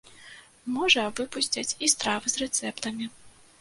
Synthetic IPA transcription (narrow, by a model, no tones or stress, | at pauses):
mɔʐɐvɨpusʲt͡sʲɐt͡sʲist̪ɾavɨzrɛt̪sɛpt̪ɐmʲi